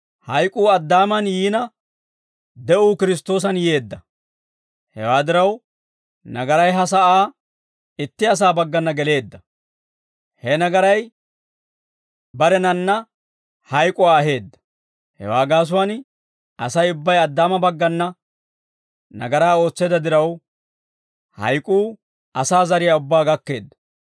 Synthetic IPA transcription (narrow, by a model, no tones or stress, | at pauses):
hɐjkʼuːɐd̪ːaːmɐnjiːnɐ | d̪ɛʔuːkɪɾɪs̬t̪o̞ːs̬ɐnje̞ːd̪ːɐ | hɛ̰waːd̪ɪɾɐw | nɐɡɐɾɐjɦɐs̬ɐʔaː | ɪt̪ːɪɐs̬aːbɐɡːɐnːɐɡɛle̞ːd̪ːɐ | hɛnɐɡɐɾɐj | bɐɾɛnɐnːɐ | hɐjkʼʊaːɐɦe̞ːd̪ːɐ̥ | hɛ̰waːɡaːs̬ʊwɐn | ɐsɐjʊbːɐjɐd̪ːaːmɐbɐɡːɐnːɐ | nɐ̰ɡɐɾaːo̞ːt͡sːeːd̪ɐd̪ɪɾɐw | hɐ̰jkʼuː | ɐsaːzɐɾɪjɐʊbːaːɡɐkːe̞̰ːd̪ːɐ̥